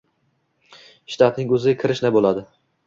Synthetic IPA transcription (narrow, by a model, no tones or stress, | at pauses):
ʃɪ̥t̪ʰat̪nɪŋɵzɪɡʲakʲʰɪɾɪʃnabolad̪ɪ